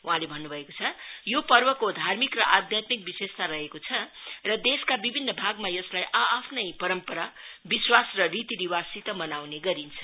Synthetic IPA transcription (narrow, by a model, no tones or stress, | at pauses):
uɦãlebʱʌnːubʱʌekot͡sʰʌjopʌrbʌkod̪ʱarmikrʌʔad̪ʱjat̪mik̚bisest̪aɾʌɦekot͡sʰʌrʌd̪eskabibʱinːʌbʱaɡmajʌslajʔaːpʰnʌjpʌɾʌmpʌɾabiswasrʌrit̪iniwasit̪ʌmʌnawneɡʌɾint͡sʰʌ̥